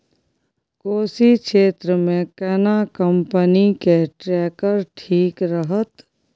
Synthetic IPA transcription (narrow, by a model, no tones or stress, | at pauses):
koːsikʃeːt̪ɾəmẽkɛːnakəmpənikeʈɾɛːkəɾʈʰiːkɾəɦət̪